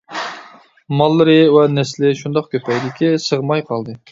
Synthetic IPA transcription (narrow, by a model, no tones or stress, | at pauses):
mɑlˠːɨɾɨwɛnɛslɪʃund̪ɑqkʲøpʰɛjd̪ɪkʲʰisəʁmɑjqʰɑlˠd̪ɨ